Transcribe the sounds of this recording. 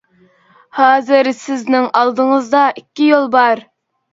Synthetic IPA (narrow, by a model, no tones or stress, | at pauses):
hɑːzɪɾsɪznɪŋɑlˠd̪əŋəzd̪ɑʔikʲːijolˠbɑɾ